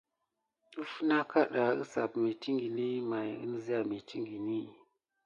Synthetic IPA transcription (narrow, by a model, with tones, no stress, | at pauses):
ɨ˦fu˦na˦ka˦ɗa˨ɨ˦sa˨pme˨ti˦ŋɡi˨ni˦ma˨jɨ̰˦n˦zi˦a˨me˨ti˦ŋɡi˨ni˦˨